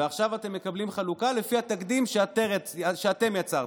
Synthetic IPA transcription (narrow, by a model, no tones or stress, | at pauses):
eaχʃavat̪e̞mːe̞kablimχalukale̞fiat̪akd̪imʃeat̪eʁet͡saʃeat̪e̞mjat͡saʁ